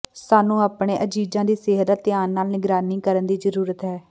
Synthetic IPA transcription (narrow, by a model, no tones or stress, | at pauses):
saːnũːaːpɳeːʔəd͡ʒiːd͡ʒãːd̪iːsɪɦət̪at̪ːɪjaːnːaːlnɪɡɾaːniːkəɾənd̪iːzəɾuːɾət̪ɦɛː